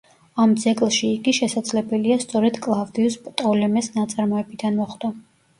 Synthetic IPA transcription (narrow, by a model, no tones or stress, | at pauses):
amd̪zɛkʼlˠʃiːɡiʃɛsad̪zlɛbɛliast̪sʼɔɾɛd̪̥kʼlˠavd̪iuspʼt̪ʼɔlɛmɛsnat̪sʼaɾmɔɛbid̪anmɔχd̪̥ɔ